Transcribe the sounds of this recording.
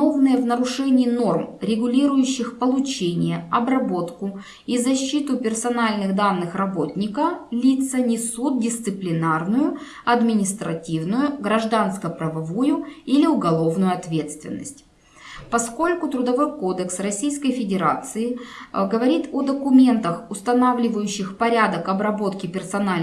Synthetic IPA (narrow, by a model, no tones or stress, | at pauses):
ovnɨjəvnəɾʊʂɛnʲɪːno̞rmɾʲɪɡʊlʲiɾʊjʉɕːɪxpəlˠʊt͡ɕenʲɪjəɐbrɐbo̞t̪kʊ | izɐɕːit̪ʊpʲɪrsɐnalʲnɨɣd̪anːɨxrɐbo̞tʲnʲɪkəlʲit̪sənʲɪsut̪̚dʲɪst̪sɨplʲɪnarnʊjʊ | ɐd̪mʲɪnʲɪst̪ɾɐ̰tʲivnʊjʊɡɾɐʐd̪anskəpɾɐvɐvujʊilʲɪʊɡɐlˠo̞vnʊjʊɐt̪vʲe̞t̪st̪vʲɪ̰nːə̰sʲtʲ | pɐsko̞lʲkʊt̪ɾʊd̪ɐvo̞jko̞d̪əksrɐsʲijskəjfʲɪdʲɪɾat̪sɨɪɡəvɐɾʲit̪od̪əkʊmʲe̞nt̪əxʊst̪ɐnavlʲɪvəjʉɕːɪxpɐɾʲad̪əkɐbɾɐbo̞t̪kʲɪpʲɪrsɐnalʲ